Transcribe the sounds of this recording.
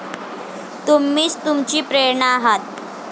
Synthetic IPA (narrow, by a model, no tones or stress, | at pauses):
t̪umːiːt͡st̪umt͡ɕiːpɾeɳəaɦat̪̚